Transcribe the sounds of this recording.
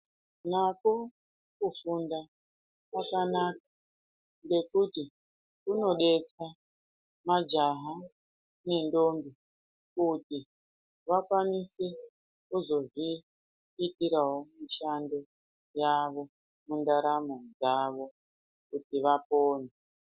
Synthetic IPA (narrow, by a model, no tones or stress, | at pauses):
nako̞ | kufunda | kakanaːk̚a | ŋɡe̞kuti | kuno̞ɗe̞t͡sa | mad͡ʒaɦa | ne̞ndo̞mbi | kuti | ʋakwanise | uzo̞ʐiː | tiɾaɦo̞miʃando̞ | jaʋo̞ | mundaɾamod͡zaʋo̞ | kutiʋapoːne